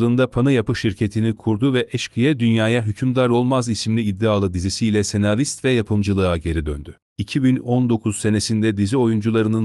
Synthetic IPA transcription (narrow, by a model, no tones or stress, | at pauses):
ɯːnd̪apʰanɯjapɯʃiɾcʰe̞t̪ʰinikʰuɾd̪uvɛʔɛʃkʰɯjɛd̪ynjaːjaɦycʰymd̪aɾo̞lˠmazisimlʲiːd̪ːiaːlˠɯd̪izisiilʲɛse̞navist̪vɛjapʰɯmd͡ʒɯlˠɯaɟe̞ɾid̪ønd̪y | icʰibinɔnd̪o̞kʰuz̥se̞ne̞sind̪ɛd̪izio̞jund͡ʒulˠaɾɯnɯn